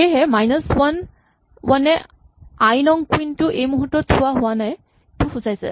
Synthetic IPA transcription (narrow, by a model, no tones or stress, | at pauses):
eɦɛmajnɔswan | wanɛ | ajnɔŋkwintʊʔejmuɦutːɔtʰːʊwaɦʊanaj | tʊxʊzajsɛ̰